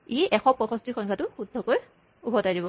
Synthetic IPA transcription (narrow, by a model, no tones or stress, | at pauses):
iʔɛxɔpɔxɔstixɔŋkʰatʊxudʱːɔkoj | ubʱɔtadibɔ